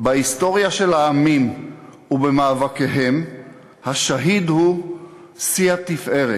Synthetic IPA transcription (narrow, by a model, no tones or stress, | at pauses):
baisto̞ʁjaʃe̞laːmim | ubemaːvake̞ɦem | haʃaɦid̪hu | siat̪ifʔe̞ʁe